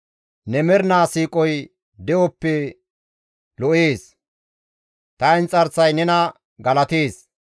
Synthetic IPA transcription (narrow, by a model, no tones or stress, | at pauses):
nɛmɛɾnaːsiːkʼɔj | d̪ɛʔɔpːɛ | lɔʔeːs | t̪ɐɪnt͡sʼɐɾsɐjnɛnɐ | ɡɐlɐt̪eːs